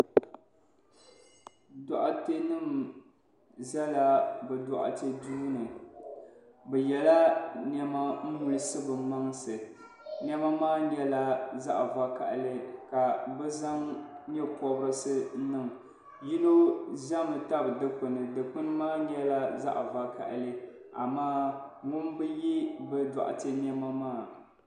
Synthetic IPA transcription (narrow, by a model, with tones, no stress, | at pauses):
dɔ˨ʔa˨te˦nɨ˦m | zɛ˦la˨bɛ˨dɔ˨ʔa̰˨te˦duː˦nɨ˨ | bɛ˨jɛ˨la˦nɛ˦ma˦m̩˦mu˨lɨ˦sɨ˦bɨ˨ma˦ŋsɨ˨ | nɛ˦ma˦maː˦ɲɛ˦la˦za˦ʔva˨ka̰˨ʔlɨ˦ka˨bɛ˦za˦ŋɲɛ˦pɔ˨bɾɨ˦sɨ˦nɨ˦˨ŋ | ji˦no˦ʒa˦mɨ˨ta˦bdɨ˦pɨ˨nɨ˨dɨ˨pʊ˦nɨ˦maː˦ɛ˦la˦za̰˦ʔva˨ka̰˨ʔlɨ˦ | a̰˨maː˦ŋʊ˦nbɨ˦ji˦bɛ˦da̰˨ʔa̰˨tɨ˦n˦ɛ˦ma˦maː˦˨